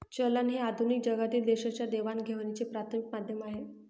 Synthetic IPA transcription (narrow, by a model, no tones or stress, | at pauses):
t͡ɕəlanɦead̪ʱunik̚d͡ʑəɡat̪iːld̪eɕat͡ɕjad̪eʋanɡʱeʋnit͡sepɾat̪ʰəmik̚mad̪ʱjəmaɦe